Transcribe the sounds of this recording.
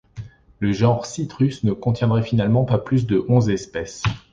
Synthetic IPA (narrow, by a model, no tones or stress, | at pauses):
ləʒɑ̃ʁsit̪χysnəkɔ̃t̪jɛ̃d̪ʁɛfinalmɑ̃paplys̬d̪əʔɔ̃zɛspɛs